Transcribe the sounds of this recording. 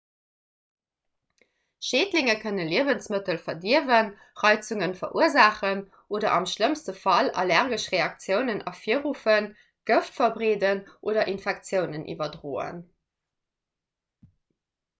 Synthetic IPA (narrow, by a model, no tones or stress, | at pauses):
ʃeːdlɪŋəkʰənəliəvənsmətəlfɐdiəvən | ʁɑɪt͡suŋənfɐʔuəzaːχən | ʔoːdɐ̰ʔɑmʃləmstəfɑlɑ̰læʁɡəʃʁeɑk̚t͡sjəʊnənʔɑ̰fiəʁufən | ɡ̥əftfɐbʁeːdənʔoːdɐʔinfɛk̚t͡sjəʊnənʔḭvɐdʁoːə̰n